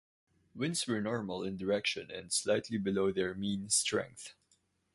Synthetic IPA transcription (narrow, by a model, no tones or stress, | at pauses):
wɪ̃nswə˞nɔɹməlˠɪ̃ndəɹɛkʃə̰̃nɛ̰̃ndslaɪtʰlibɪloʊðɛɹmĩːnstɹɛ̰̃ŋk̚θ